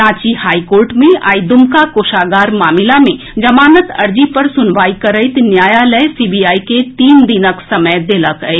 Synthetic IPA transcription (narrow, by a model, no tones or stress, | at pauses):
ãːt͡ʃihaːikoːɾʈmẽʔa̰ːɪd̪ʊmkakoːʃaːɡaːɾmaːmɪlamẽ | d͡ʒɐmaːnət̪ɐɾd͡ʒipɐɾsʊnʋaːikɐɾəɪt̪njaːjalɛsiːbijaːiket̪iːmd̪inəksɐməjd̪eːləkəe